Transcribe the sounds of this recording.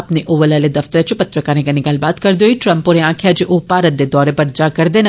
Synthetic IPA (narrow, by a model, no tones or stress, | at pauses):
ɐpneʔoːʋəlaːled̪ɐft̪əɾet͡ʃpɐt̪ɾəkanẽɡɐnɪɡaːlbaːt̪kɐɾd̪oːiʈɾɐ̃mponeãːkʰjad͡ʒeʔopaːɾət̪̚d̪ed̪ɔːɾepɐɾd͡ʒaːkɐɾd̪eːn